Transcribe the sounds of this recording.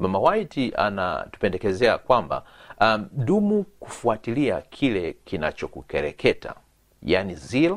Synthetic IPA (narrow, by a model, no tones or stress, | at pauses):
mamawaitiʔa̰na̰tu̥pɛndɛkɛzɛakwamba̰ | ɗumukufuatiliakʰilɛkina̰t͡ʃɔkukɛɾɛkʰɛta̰ | janiziɾa